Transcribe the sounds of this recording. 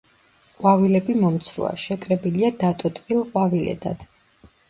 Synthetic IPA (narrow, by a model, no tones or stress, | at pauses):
qʼwavilɛbimɔmt̪sʰɾṵa̰ʃɛkʼɾɛbiliad̪at̪ʼɔt̪ʼqʼilˠqʼwavilɛ̰d̪ad̪̥